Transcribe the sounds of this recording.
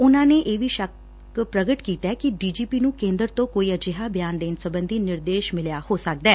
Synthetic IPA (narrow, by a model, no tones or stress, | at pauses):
ʊnãːneːʔeːʋiːʃək | pɾəɡəʈkiːt̪ɛːkɪɖiːd͡ʒiːpiːnũːkẽːnd̪əɾt̪õːkoːiːəd͡ʒɪɦaːbjaːnd̪eːnsəbənd̪iːnɪɾd̪eːʃmɪljaːhoːsək̚d̪ɛː